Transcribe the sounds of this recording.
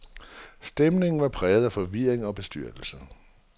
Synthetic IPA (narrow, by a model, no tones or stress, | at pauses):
sd̥emne̝ŋn̩ʋɑ̈pʰʁɛːʊð̞̩ˠæfɒ̽ʋiɐ̰eŋɒ̽b̥e̝sd̥yɐ̰d̥l̩sə